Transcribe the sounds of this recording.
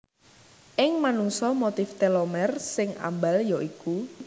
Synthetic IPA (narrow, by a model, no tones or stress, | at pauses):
ʔɪŋmanuŋsɔmot̪ɪft̪elɔmɛrsɪŋʔa̰mbaljɔʔiku